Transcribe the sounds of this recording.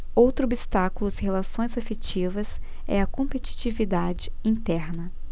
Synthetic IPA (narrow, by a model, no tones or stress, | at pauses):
owt̪ɾʊobist̪akulʊshelasõj̃zefet͡ʃivɐs | ɛ̰ɐkõmpet͡ʃi̥t͡ʃivid̪ad͡ʒɪĩnt̪ɛɾnɐ